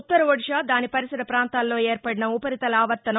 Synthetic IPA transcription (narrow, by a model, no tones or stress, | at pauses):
t̪ːɐɾɐʋoɽiʂaːd̪aːnipɐɾisɐɾɐpɾaːnt̪aːlːo̞ːeːɾpɐɽinɐupɐɾit̪ɐlɐaːʋɐɾt̪ːɐnɐ